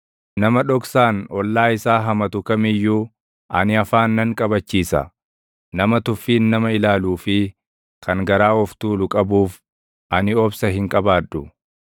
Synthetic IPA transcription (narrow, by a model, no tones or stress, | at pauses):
nɐmɐᶑɔksaːnɔlːaːɪsaːɦɐmɐt̪ʊkɐmɪjːuː | ʔɐnɪɐfaːnːɐŋkʼɐbɐt͡ʃːiːsɐ̰ | nɐmɐt̪ʊfːiːnːɐmɐɪlaːluːfɪ | kʰɐŋɡɐɾaːɔft̪uːlʊkʼɐbuːf | ʔɐnɪɔbsɐɦɪŋkʼɐbaːᶑːʊ